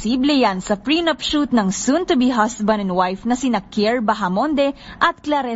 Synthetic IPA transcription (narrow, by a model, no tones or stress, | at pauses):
siːblɛjansɐpɹinopʃut̪̚nɐŋsunt̪ʊbiɦasbɐ̃nɛnwajfnɐsɪnakɛɹbɐɦɐmond̪ɛʔɐt̪̚klaɾɛ